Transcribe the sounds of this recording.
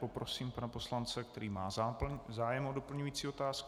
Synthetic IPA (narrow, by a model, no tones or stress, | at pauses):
popɾo̞siːmpanapo̞slant͡sɛkt̪ɛɾiːmaːzaːjɛmodo̞pl̩ɲujiːt͡siːot̪aːsk